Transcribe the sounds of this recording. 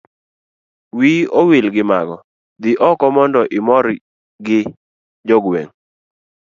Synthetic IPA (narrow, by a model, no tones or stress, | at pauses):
wiowilɡɪmaɡɔ | d̪ɪʔɔkɔmɔndɔʔɪmɔɾ | ɡɪ | d͡ʒɔɡwḛŋ